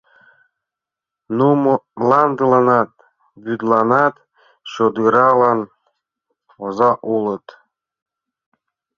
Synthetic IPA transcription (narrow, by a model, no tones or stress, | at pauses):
numlˠɑnd̪ɯlɑnɑt̪̚ | byd̪lˠɑnɑt̪ | ɕod̪ɯɾɑlˠɑn | ozɑʔulɤ̆t̪